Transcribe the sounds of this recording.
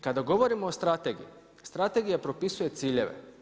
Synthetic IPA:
kad̪aɡo̞ʋo̞ɾimoːst̪ɾat̪eɡḭi | st̪ɾat̪eɡijapɾo̞pisuje̞t̪siːʎe̞ʋe̞̰

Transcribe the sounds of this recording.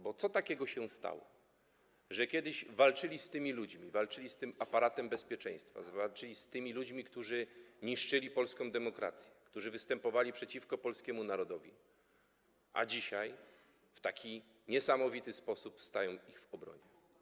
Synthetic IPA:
bɔt̪sɔt̪akʲɛɡɔɕɛst̪a̰wɔ̰ | ʐɛkʲjɛd̪ɘʑvalt͡ʂɘlʲist̪ɘmʲilud͡ʑmʲivalt͡ʂɘlʲist̪ɘmapaɾat̪ɛmbɛspʲjɛt͡ʂɛ̰̃j̃st̪fa̰zvalt͡ʂɘlʲist̪ɘmʲilud͡ʑmʲikt̪uʐɘɲiʂt͡ʂɘlʲipɔlskɔ̃w̃d̪ɛmɔkɾa̰t̪sʲjɛ̥kt̪uʐɘvɘst̪ɛmpɔvalʲipʂɛt͡ɕifkɔpɔlskʲɛmunaɾɔd̪ɔvʲḭ | ʔa̰d͡ʑiɕaj | ft̪akʲi | ɲɛsamɔvʲit̪ɘspɔsupfst̪ajɔ̃w̃iɣvɔbɾɔ̰ɲɛ

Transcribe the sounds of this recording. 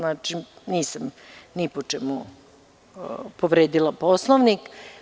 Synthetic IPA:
naːt͡ʃiniːsam | nipot͡ʂɛmu | poʋɾeːd̪ilˠaposlˠoʋnik

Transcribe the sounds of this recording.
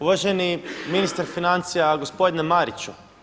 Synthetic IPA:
uʋaʒeniminist̪aɾfinant̪sijaɡo̞spo̞d̪inemaɾit͡ʃu

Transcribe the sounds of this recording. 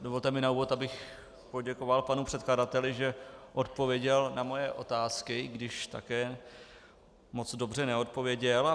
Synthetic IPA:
dovolt̪ɛmɪnauːvo̞t̪abɪx | po̞ɟɛkovalpanupr̥ɛt̪̚kladat̪ɛlɪʒɛʔo̞t̪̚po̞vjɛɟɛlnamo̞jɛʔo̞t̪aːskɪɡdɪʃt̪a̰kɛː | mo̞t͡sdo̞br̝ɛnɛo̞t̪̚po̞vjɛɟɛla

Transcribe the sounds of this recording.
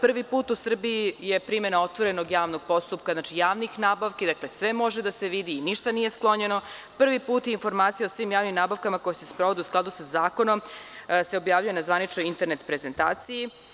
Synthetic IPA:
pr̩ʋipuːt̪usr̩biijepɾime̞nao̞t̪ʋo̞ɾe̞noɡjaːʋno̞ɡ̚po̞st̪upkaznaːt͡ʃijaːʋnixnaːbaʋked̪aklesʋe̞mo̞ʒed̪ase̞ʋid̪iːniʃt̪anije̞sklˠo̞ɲe̞no̞ | pr̩ʋipuːt̪jinfo̞ɾmaːt̪sijaosʋimjaːʋnimnaːbaʋkamako̞jesespɾo̞ʋo̞d̪iusklˠad̪usazaːko̞no̞mse̞o̞bjaːʋʎujenazʋanit͡ʃnojint̪e̞ɾnet̪pɾeze̞nt̪a̰ːt̪siji

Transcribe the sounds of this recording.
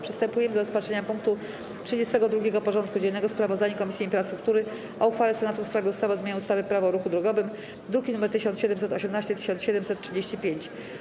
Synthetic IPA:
pʂɘ̥st̪ɛmpujɛmɘd̪ɔɾɔspatt͡ʂɛɲapuŋkt̪u | tʂɘd͡ʑest̪ɛɡɔd̪ɾuɡʲɛɡɔpɔʐɔnt̪kud͡ʑɛnːɛɡɔspɾavɔzd̪aɲakɔmʲisʲjiinfɾast̪ɾuk̚t̪uɾɘ | ʔɔuxfalɛsɛnat̪ufspɾavʲɛust̪avɛzmʲaɲɛust̪avɘpɾavɔɾuxud̪ɾɔɡɔvɘm | d̪ɾuɡʲinumɛɾt̪ɘɕɔnɕɛd̪ɛmsɛt̪ɔɕɛmnaɕt͡ɕɛt̪ɘ̥ɕɔnsɕɛd̪ɛmsɛt̪tːʂɘd͡ʑeɕt͡ɕipʲjeɲt͡ɕ

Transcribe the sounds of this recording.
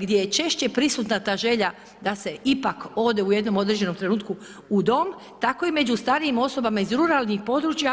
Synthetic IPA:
ɡd̪je̞jet͡ʃe̞ʃt͡ɕe̞pɾisut̪nat̪aːʒe̞ʎa | d̪ase̞ʔipako̞ːd̪e̞uje̞d̪no̞mo̞d̪ɾed͡ʑe̞no̞mt̪ɾe̞nuːt̪ku | ud̪o̞m | t̪ako̞ime̞d͡ʑust̪aːɾiimo̞so̞bamaizɾuɾalˠnixpo̞d̪ɾut͡ʃja

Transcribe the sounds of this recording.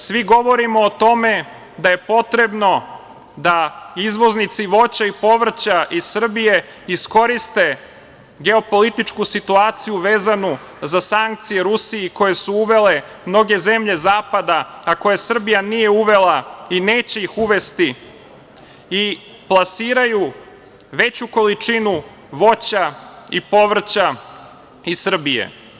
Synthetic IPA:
sʋiɡo̞ʋo̞ɾimoːt̪o̞me̞ | d̪aje̞po̞t̪ɾe̞bno̞ | d̪aizʋo̞znit̪siʋo̞t͡ɕaipo̞ʋr̩t͡ɕaʔisr̩bije̞ | isko̞ɾist̪e̞ | ɡe̞opo̞lit̪it͡ʃkusit̪uaːt̪sijuʋe̞ːzanu | zasaŋk̚t̪sije̞ɾusiiko̞je̞suuʋe̞le̞ | mno̞ɡe̞ze̞mʎe̞zaːpad̪aako̞jesr̩bijanije̞uʋe̞laine̞ːt͡ɕe̞ixuʋe̞st̪i | i | plˠasiːɾaju | ʋe̞t͡ɕuko̞lit͡ʂinu | ʋo̞t͡ɕaipo̞ʋr̩t͡ɕa | isr̩bijḛ

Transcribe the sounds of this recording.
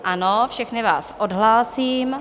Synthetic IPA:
ʔanofʃɛxnɪva̰ːsʔodɦlaːsiːm

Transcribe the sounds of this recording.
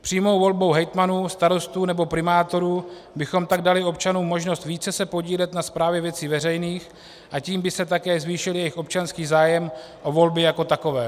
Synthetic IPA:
pr̥iːmo̞wvo̞lbo̞wɦɛjt̪manuːst̪aɾo̞st̪uːnɛbo̞pɾɪmaːt̪o̞ɾuː | bɪxo̞mt̪aɡ̚dalɪo̞p̚t͡ʃanuːmo̞ʒno̞st̪viːt͡sɛsɛpo̞ɟiːlɛt̪naspɾaːvjɛvjɛt͡siːvɛrɛjniːx | ʔaciːmbɪsɛt̪akɛːzviːʃɪljɛjɪxʔop̚t͡ʃanskiːzaːjɛm | ʔo̞vo̞lbɪjako̞t̪ako̞vɛː

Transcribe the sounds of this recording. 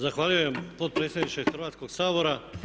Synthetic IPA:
zaxʋaːʎujempo̞t̪̚pɾet̪sʲjed̪nit͡ʃexrʋaːt̪sko̞ɡsaːbo̞ɾa

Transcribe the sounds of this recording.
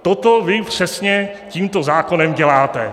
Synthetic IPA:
t̪ot̪ovɪpr̝̥ɛsɲɛciːmt̪ozaːko̞nɛmɟɛlaːt̪ɛ

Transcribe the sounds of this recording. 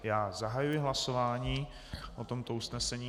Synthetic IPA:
jaːzaɦajujɪɦlaso̞vaːɲiː | ʔot̪o̞mt̪o̞usnɛsɛɲiː

